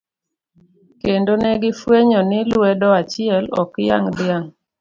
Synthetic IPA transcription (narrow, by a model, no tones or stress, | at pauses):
kendonɛɡɪfweɲɔnɪlwɛdɔat͡ʃɪɛlɔ̰kja̰ŋdɪaŋ